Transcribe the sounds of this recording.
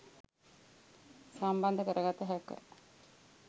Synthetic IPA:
samband̪əkəɾəɡat̪ːəɦækʋɛ̰

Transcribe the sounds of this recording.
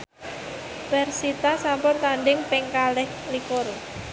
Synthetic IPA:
pɛrsit̪asampɔnt̪anɖɪŋpɪŋkalɪh | likʊr

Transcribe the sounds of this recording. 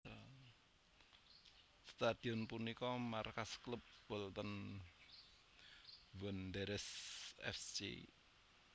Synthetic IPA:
st̪ad̪̥i̤ɔnpunikɔmarkasklup̚b̥ɔlt̪ən | wənd̪eɾɛsɛ̰fsd͡ʒḛ

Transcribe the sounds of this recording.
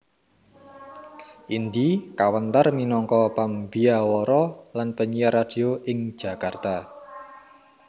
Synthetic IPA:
ʔind̪ikawənt̪arminɔŋkɔpambiawɔɾɔlanpəɲijaɾad̥i̤oʔɪŋ̥d͡ʒ̥a̤kart̪a

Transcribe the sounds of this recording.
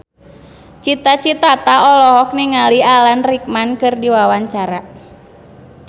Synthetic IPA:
t͡ʃit̪at͡ʃit̪at̪aɔlɔɦɔk̚niŋalialanrik̚mankɨrdiwawaɲt͡ʃaɾa

